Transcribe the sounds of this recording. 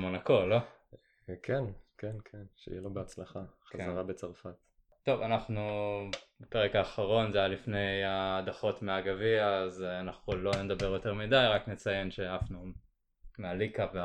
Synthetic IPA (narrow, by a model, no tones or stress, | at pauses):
monako̞lo | kʰenkʰenkʰenʃḛḭjɛlobeat͡slaχaχazaʁabet͡saʁfat̪ | to̞vanaχnu | bepeʁekaːχaʁo̞nzejalifne̞jad̪aχo̞tmeaɡaviazeanaχulo̞ned̪abe̞ʁjo̞te̞ʁmidajʁaknet͡saje̞nʃeafnu | mealikave